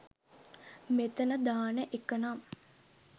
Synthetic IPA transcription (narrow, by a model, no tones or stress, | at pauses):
met̪ənəd̪aːnəʔekənam